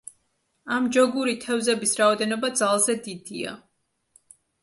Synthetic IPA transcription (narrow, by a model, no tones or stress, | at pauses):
amd͡ʒɔɡuɾit̪ʰɛvzɛbisɾaɔd̪ɛnɔbad̪zalˠzɛd̪id̪ia̰